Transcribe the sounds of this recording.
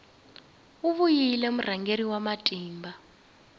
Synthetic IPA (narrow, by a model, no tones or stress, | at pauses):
uβujilɛm̩raŋʱeriwamatʼiːmba